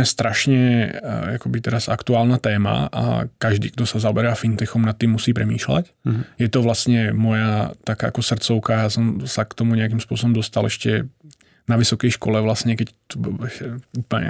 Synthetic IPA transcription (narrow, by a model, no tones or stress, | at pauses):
ɛst̪ɾʔaʃɲɛ | akɔbit̪ɛɾazakt̪uaːlnat̪ɛːma̰ʔa̰kaʒd̪ḭːɡd̪ɔsazaɔbɛɾaːfint̪ɛxɔmnat̪ːiːmːusiːpɾɛmiːʃla̰c | jɛt̪ɔʋlast̪ɲɛmɔjat̪akaːʔa̰kɔsr̩t͡sɔʊkajasɔmsakt̪ɔmuɲɛakiːmspʊɔs̬ɔbɔmd̪ɔst̪alʔɛʃcɛ | naʋisɔkɛjʃkɔlɛʋlasɲɛkɛct̪ubɛuplɲɛ̰